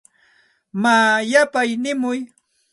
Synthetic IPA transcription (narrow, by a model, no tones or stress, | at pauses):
maːjapajnɪmʊj